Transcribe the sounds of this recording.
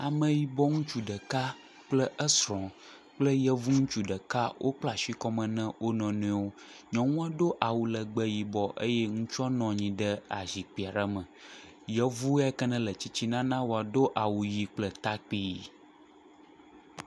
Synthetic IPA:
a˨mə̃˨ji˨bɔ˦ŋũ˦t͡ʃu˦ɖə˨ka˦ | k͡plə˦ʔə˦sɾɔ̃˨ | k͡plə˦jə˦vu˦ŋũ˦t͡ʃu˦ɖə˨ka˦wʔo˦k͡pla˨ʃi˦kɔ˦mə̃˨nɛ̃˦wʔo˦nɔ̃˨nɛ̃˦wo˦ɲɔ̃˨ŋũ˦a˦ɖo˦ʔa˨wu˨lə˨ɡ͡bə˦ji˨bɔ˦ʔə̰˦jɛ˦ŋũ˦t͡ʃɔ˦nɔ̃˨ɲĩ˨ɖə˦a̰˨zi˨k͡pi˨a˨ɖa˦mə̃˨ | jə˦vu˦ɛ˦kə˦nə̃˦lə˨t͡ɕi˦t͡ɕi˦nã˦nã˦wo˨a˨do˦ʔa˨wu˨ji˨k͡plə˦t̪a˦k͡pi˦˨ji˨

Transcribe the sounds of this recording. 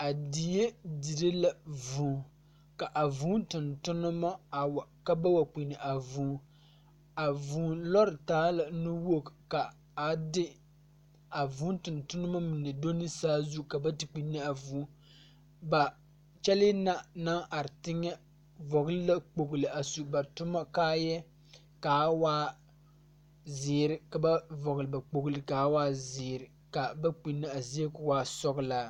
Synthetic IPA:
a˨di˨je˦di˨ɾɨ˦la˨vuː˨˦ | ka˨ʔa˨vuː˨˦ntɨ˨ntʊ˦nɨ˦ma˦˨wka˦ba˦wa˨k͡pi˨nɨ˨ʔa˨vuː˨˦ | a˨vuː˨˦lɔ˦ɾɨ˨taː˦la˨nu˦wo˦kka˨ | a˨dɪ˦ | a˨vuː˦ntɨ˨ntʊ˦nɨ˦ma˦mɨ˨nɨ˨do˦nɨ˦saː˦zu˦ka˨ba˦tɨ˨k͡pi˨nːi˦a˨vuː˨˦ | ba˨ | t͡ʃɛ˦lɪ˦na˦˨na˦ŋʔa˨ɾɪ˨tɪ˦ŋːɛ˦ | vɔ˨ɣlɪ˦la˦k͡po˨ɡlɨ˨a˨su˨ba˨tʊ˦ma˦kaː˦jɛ˦ | kaː˨˦waː˦ | zɪː˨ɾɪ˦ka˨ba˦vɔ˨ɣlɨ˨ba˨k͡po˨ɡlɨ˨ka˨˦waː˦zɪː˨ɾɪ˨ | ka˨ba˦k͡pi˨nːa˦a˨zi˦e˦kʊ˦waː˦sɔ˦ɡlaː˦

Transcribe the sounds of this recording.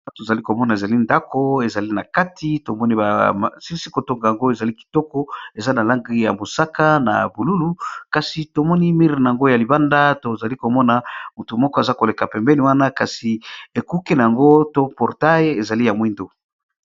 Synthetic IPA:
to˨za˨li˦ko˨mɔ˦na˨e˨za˨li˦nda˦ko˦e˨za˨li˦na˨ka˦tʰi˦to˨mɔ˦ni˦ba̰˨si˦si˦ko˨to˦ŋɡa˨ja˨ŋɡo˦e˨za˨li˦ki̥˨tɔ˦kɔ˦e˨za˦na˨la˦ŋɡi˦ja̰˨mo˨sa˦ka˦na̰˨bu˨lu˦lu˦ka˨si˨to˨mɔ˦ni˦mi˦ʁi˨na˨a˨ŋɡo˦ja˨li˨ba˦nda˦to˨za˨li˦ko˨mɔ˦na˨mu˨tu˨mɔ˦kɔ˦e˨za˦ko˨le˨ka˨pɛ˨mbɛ˦ni˨wa˦na˦ka˨si˨e˨ku˦ke˦na˨ja˨ŋɡo˦to˦pɔ˨ʁta˦je˨za˨li˦ja˨mwi˦ndo˦˨

